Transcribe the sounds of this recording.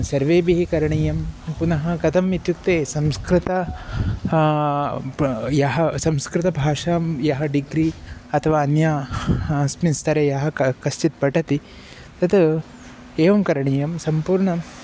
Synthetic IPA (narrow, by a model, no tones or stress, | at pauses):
sɐɾʋeːbiɦikɐɾɐɳijɐmpunɐɦɐkɐt̪ʰɐmit̪juk̚t̪eːsɐmskɾɪt̪ɐ | jɐɦɐsɐmskɾɪt̪ɐbʱaːʂaːmjɐɦɐɖiɡɾiɐt̪ʰɐʋaːɐnja | sminst̪ʰɐɾejɐɦɐkɐst͡ʃit̪̚pɐʈɐt̪i | t̪ɐt̪ | eːʋɐmkɐɾɐɳijɐmsɐmpuːɾɳɐm